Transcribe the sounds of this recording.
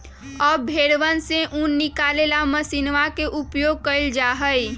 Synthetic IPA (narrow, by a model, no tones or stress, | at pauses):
ɔːbʱeːɽʋənseʔunːɪkalelaməsinʋakeʔupjoɡ̚kəɪld͡ʒaɦəj